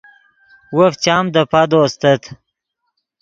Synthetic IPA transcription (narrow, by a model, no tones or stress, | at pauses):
wəft͡ɕaːmd̪əpad̪oːst̪ət̪